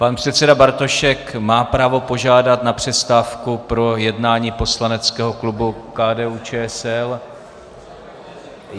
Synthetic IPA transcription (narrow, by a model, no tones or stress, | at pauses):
panpr̝̥ɛt̪t͡sɛdabaɾt̪o̞ʃɛkmaːpɾaːvo̞po̞ʒaːdat̪napr̥ɛst̪aːfkupɾo̞jɛdnaːɲiːpo̞slanɛt͡skɛːɦo̞klubukaːdɛːuːt͡ʃɛːɛsɛl